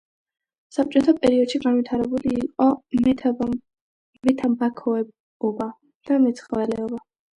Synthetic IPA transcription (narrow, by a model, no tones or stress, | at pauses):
sap̚t͡ʃʼɔt̪ʰapʼɛɾiɔd̪̥ʃiɡanvit̪ʰaɾɛbuliːqʼɔ | mɛt̪ʰambakʰɔɛ | ɔba | d̪̥amɛt̪sʰχvɛlɛɔba